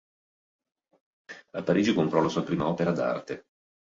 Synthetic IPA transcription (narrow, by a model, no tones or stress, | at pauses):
apːaɾiːd͡ʒikompɾɔlasuːapɾiːmaɔːpeɾad̪a̰rt̪e